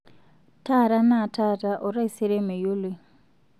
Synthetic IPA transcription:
tʰa˦˨ɾa˦na˦˨tʰa˦˨tʼa˦ʔʊ˨ɾa˦i˨sɛ˦ɾe˦me˨ju˦li˨

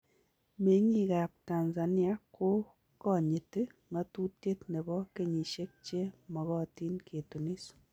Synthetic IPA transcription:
me˨˦ŋi˦˨ka˨p̚ta˨nza˨ni˦a˦ko˦ | kɔ˦˨ɲe˨tɪ˦ŋa˦tu˦te˦tne˨bɔ˦ke˨ɲi˨ʃe˦k̚t͡ʃe˦mɔ˨kɔ˦ti˦nkʰe˨tu˨ni˦s

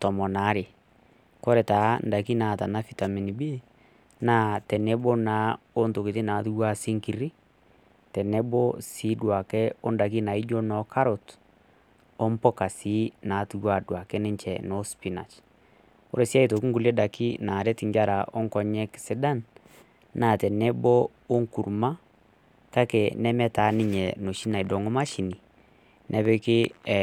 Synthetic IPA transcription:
tɔ˨mɔ˨na˨˦ɾe˨ | kɔ˦ɾɛ˨ta˨˦nda˨ki˦na˨ta˨na˦fi˨ta˨mi˨ni˨bi˦ | na˦tɛ˨nɛ˦bo˦na˨˦o˦nto˨ki˨ti˦na˨˦tu˦wa˦si˦ŋki˨ɾi˦ | tɛ˨nɛ˦bo˦si˨˦dwa˨kɛ˦ɔ˦nda˨k̬i˦na˨i˦d͡ʒo˦nɔ˨ka˦ɾo˨t | ɔ˦mpɔ˦ka˨si˦na˨˦tu˦wa˨dwa˨kɛ˦nɛ˦ɲt͡ʃɛ˨nɔ˨˦spi˦na̰˨t͡ʃ | o̰˦ɾe˨si˦a˦i˨to˨ki˦ŋɡu˨lɛ˦da˨ki˦na˨ɾɛ˦ti˨ɲd͡ʒa˦ɾa˨ʔɔ˦ŋkɔ˨ɲɛ˦ksɪ˦da˦n | na˨tɛ˨nɛ˦bɔ˦ | o˦ŋku˨ɾma˦ | ka˦kɛ˨nɛ˦mɛ˦ta˨˦nɪ˦ɲɛ˨no˨ʃi˦na˨i˨dɔ˨ŋɔ˦ma˦ʃi˨ni˨ | nʔɛ˨βɛ˦kɪ˦

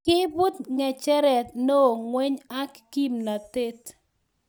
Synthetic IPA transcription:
kɪ˦bu˦t̪ŋɛ˨t͡ʃɛ˦ɾɛ˨t̪̚no˦˨ŋwe˦ɲa˦kːi˦mna˨t̪e˦t̪

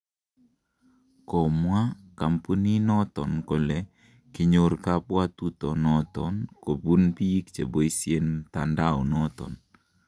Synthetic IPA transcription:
kɔ˨mwa˦ka˨mpu˦ni˦nɔ˦t̪ɔ˨nko˨lɛ˨ | kɪ˨ɲoɾka˦pwa˦t̪utɔ˨nɔ˦t̪ɔnko˨bu˦npi˦kt͡ʃe˨bo˦isie˦ntanda˦ɔnɔt̪ɔ̰˨n

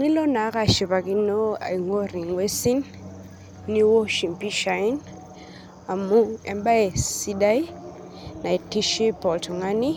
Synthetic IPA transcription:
ŋi˦lɔ˦na˨˦ka˨ʃi˨βa˨ki˦nɔ˦a̰˨i˨ŋo˦ɾi˨ŋwe˦si˦nː | i˦wo˦ʃi˨mpi˦ʃa˨i˦n | a˨mu˦ɛ˨mba˦ɛ˨si˦da˦i˦ | na˨i˨ti˦ʃi˦pɔ˨ltʰɔ˨ŋa˦ni˦

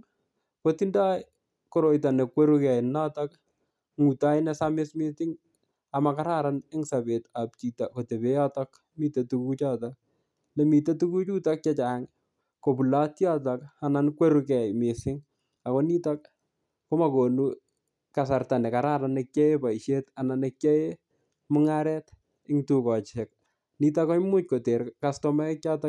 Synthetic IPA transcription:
ko˦tinda˦j | koɾo˨jta˨ne˨kwe˦ɾukɛ˨na˦tak̚ | ŋu˨ta˦jnɛ˦same˦sme˦tɪ˦ŋ | a˨ma˨kaɾa˦ɾanɪ˦ŋsa˨be˨ta˨p̚t͡ʃi˨ta˨ko˨te˨be˦ja˦tak | mi˨te˨tuku˦t͡ʃa˦tak̚ | le˨mi˨te˦tu˦ku˦t͡ʃu˦ta˦k̚t͡ʃɛt͡ʃa˨˦ŋ | ko˨pu˨latjatɔka˨na˨nkwe˦ɾukɛ˨jmɪ˨sɪ˦ŋ | a˨kɔ˦ni˦tak̚ː | o˦mako˨nu | ka˨sa˨rta˨ne˨ka˨ɾa˦ɾa˨ne˧kje˦e˦pa˨iʃjeta˨na˨ne˨kjɛ˦e | mʊ˦ŋaɾɛ˦t | ɪ˦ŋtu˨kɔ˨t͡ʃɛ˨k̚ | ni˦takɔ˦mu˦t͡ʃko˨te˨ɾkastɔma˦kt͡ʃa˦tɔ

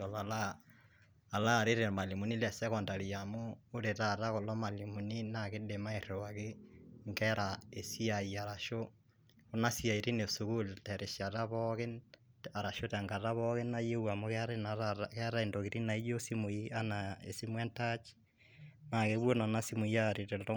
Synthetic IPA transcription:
ɔ˨lalaː˨ | laː˦˨ɾe˦ɾe˨ma˨li˨mu˨ni˦lɛ˨sɛ˦kɔ˨nda˨li˨amoː˦ɾe˨tata˦ko˨lɔ˦ma˨li˨mu˨ni˦nake˦de˨ma˦e˨ɾowake˦ŋɡɛɾʔae˨si˦aia˨ɾa˨ʃo | o˦na˦sia˨i˨ɾi˦ne˨su˨ku˦ltɛɾɛ˨ʃa˨ta˦βɔke˦n | a˨ɾa˨ʃotaŋɡata˦βɔke˦na˦je˦wa˨mo˦kɛaɾenaakɛɾa˦e˨ndokiɾi˦na˨i˦jo˦si˦mo˨ia˦naḛ˨si˦mwɛ˦ntat͡ʃi̥ | nakeβwo˦na˨na˦simu˨iaɾeɾɛtɔ

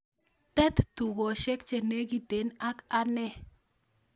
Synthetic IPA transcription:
t̪ɛ˦t̪tu˨ɡɔ˨ʃe˦kt͡ʃe˨ne˦ɡi˨t̪e˨˦na˦ka˦nɛ˦

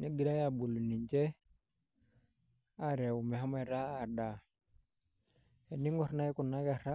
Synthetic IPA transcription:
ɲe˦ɡi˨ɾa˦ja˨bu˨lːu˨ni˨ɲt͡ʃɛ˦ | a˦ɾe˨u˨mɛ˨a˦ma˨ɾa˦a˨da˨ | e˨ni˦ŋɔ˦˨ɾna˦i˦ku˨nːa˦ɡa˨ɾa˦

